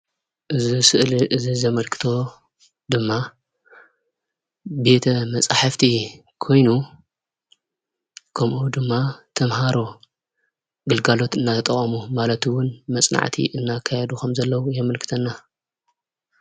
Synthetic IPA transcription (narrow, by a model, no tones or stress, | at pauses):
ʔɨzisɨʔliʔɨzizɐmɐlkʰɨ̥t̪ʰo̞ | d̪ɨmːa | be̞t̪ʰɐmɐt͡sʼaħaft̪ʰi | kʰo̞jnu | kʰɐmʔud̪ɨmːat̪ʰɐmɦaɾo̞ | ɡɨlɡalo̞t̪ɨnːat̪ʰt̪ʼɐχʼɐmumalɐt̪ɨwʊnmɐsʼna̰ʕt̪ʰḭʔɨnːakʰːajɛd̪ukʰɐmzɐlːɐwujɛmɨlkʰɨ̥t̪ʰɐnːa